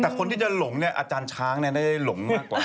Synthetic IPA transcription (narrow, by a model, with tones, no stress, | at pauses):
t̪ɛː˨˩kʰo˧nt̪ʰiː˥˩t͡ɕa˨˩lo˩˦ŋni˥˩ɐʔa˧t͡ɕaː˧nt͡ɕʰaː˦˥ŋni˥˩ɐda˥˩da˥˩jlo˩˦ŋmaː˥˩k̚ːwaː˨˩